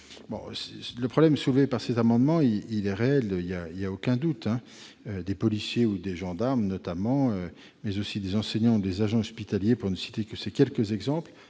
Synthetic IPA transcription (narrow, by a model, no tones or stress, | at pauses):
bɔ̰̃sɛləpχɔblɛmsulvepaʁsɛzamɑ̃d̪mɑ̃iilɛʁeɛløiljailjaokʲɛ̃d̪ut̪ɛ̃ | ød̪epɔlisjeud̪eʒɑ̃d̪aʁmnɔt̪amɑ̃ø | mɛzosid̪ezɑ̃sɛɲɑ̃ud̪ezaʒɑ̃ɔspit̪aljepuʁnəsi̥t̪ekəsɛkʲɛlkəzɛɡzɑ̃pl